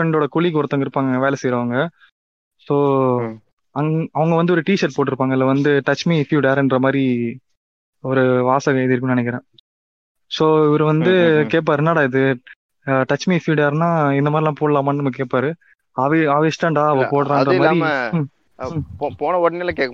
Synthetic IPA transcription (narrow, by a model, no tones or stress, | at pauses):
fɾɛɳɖoːɽɐkʊɭik̬ɔɾɯt̪ːaːŋɡɐɪɾɯpːaːŋɡɐʋeːlɐsɛjɪɾɐʋɐŋɡɐ | soː | ɐŋɐʋɐŋɡɐʋɐnd̪ɯɔɾɯʈiːʃɐɾʈ̚poːʈ̬ːɪɾɯpːaːŋɡɐɪlːɐʋɐnd̪ɯʈɐt͡ʃmifjuɽjaːɾɛndrɐmaːd̪ɾi | ɔɾɯʋaːsɐɣɐɪðɪɾɯkːɯm̃nɐnɛkːɪɾẽː | soːɪʋɐɾɯʋɐnd̪ɯkeːʈ̚paːɾɯnaːɽaːɪðɯ | ʈɐt͡ʃmifjuːɽjaːɾnaːɪnd̪ɐmaːdɾɪlãːpoːɽɐlaːmaːnɯnɐmːɐkeːʈ̚paːɾɯ | ɐʋɐaːʋɐsʈaːɳɖaːɐʋɐ̃poːɽɐɾãːdrɐɐmaːɾi | poːnɐɔɽɐnɪlãːkeːkː